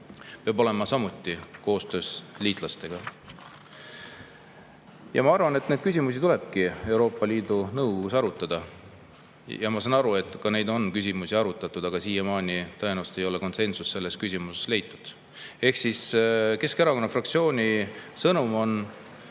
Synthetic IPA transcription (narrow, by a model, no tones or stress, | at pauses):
peɑbo̞le̞mɑsɑmut̪ˑːiko̞ːst̪ø̞ːsliːt̪ˑlɑst̪e̞ɡ̥ɑ | jɑ̰mɑɑrvɑne̞t̪ned̪kys̬ʲimus̬it̪ule̞b̥̚kie̞wɾo̞ːpːˑɑliːd̪unɤwɡoɡusɑɾut̪ːˑɑd̪̥ɑ | jɑmɑsɑnɑɾue̞t̪ːˑkɑne̞jd̪o̞nkys̬ʲimusiɑɾut̪ːˑɑt̪ːˑud̪̥ɑɡ̥ɑsiːjemɑːnʲit̪ɤe̞nuwst̪e̞jo̞le̞ko̞nse̞nsusːe̞lːe̞skysʲimuse̥sle̞jt̪ːˑud̪̥ | e̞hksiske̞skeɾɑko̞nːɑfrɑkt̪sio̞ːnʲisɤnumo̞n